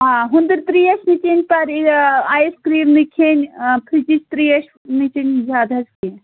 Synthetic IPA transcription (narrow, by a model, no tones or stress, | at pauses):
aɦund̪ɨɾt̪ɾiɐʃnit͡ʃenʲpɐɾaːjskɾiːɾnikʰenʲpʰɾit͡ʃit͡ʃʰt̪ɾiɐʃʰ | nit͡ʃinʲzaːd̪ʱɐski